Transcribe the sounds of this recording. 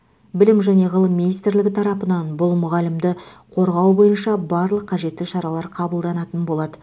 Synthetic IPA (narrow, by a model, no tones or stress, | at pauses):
bɪlɪmʒæne̞ʁəlˠəmːinijst̪ɾlɪɡʲɪt̪ʰɑɾɑpənɑnbʊlˠmʊʁɑlɪmd̪ɪqʰo̞ɾʁɑwbo̞jənʃɑbɑɾlˠəqʰːɑʒe̞t̪ːɪʃɑɾɑlˠɑɾqʰɑbəlˠd̪ɑnɑt̪ənbo̞lˠɑd̪ə